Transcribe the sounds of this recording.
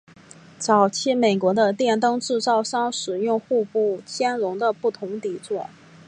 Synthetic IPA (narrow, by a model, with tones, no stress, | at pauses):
t͡sɑ˨˩ʊt͡ɕʰi˥me˨˩ɪkwɔ˧˥d̪ə˧t̪jɛ˥˩nt̪ɤ˥ŋʈ͡ʂɻ̩˥˧t͡sɑ˥˩ʊʂɑ˥ŋʂɻ̩˨˩jʊ˥˧ŋxu˥˧pu˥˩t͡ɕʰjɛ˥nɻʊ˧˥ŋd̪ə˧pu˥˩t̪ʰʊ˧˥ŋt̪i˨˩t͡swɔ˥˩